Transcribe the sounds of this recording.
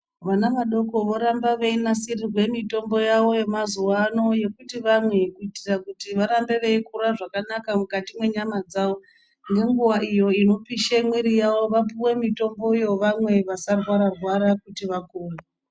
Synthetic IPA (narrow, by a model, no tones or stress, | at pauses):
ʋanaʋaɗo̞ko̞ʋo̞ɾambaʋeinasirirwe̞mito̞mbo̞jaʋo̞je̞mazuwano̞je̞kutiʋamwe̞kuitirakutiʋaɾambe̞ʋe̞ikuɾaʐakanakamukatimwe̞ɲamad͡zaʋo̞ | ŋɡe̞ŋɡuwaʔijo̞ino̞piʃemwiɾijaʋo̞ʋapuwe̞mito̞mbo̞ijo̞ʋamwe̞ʋasarwaɾarwaɾakutiʋakuːre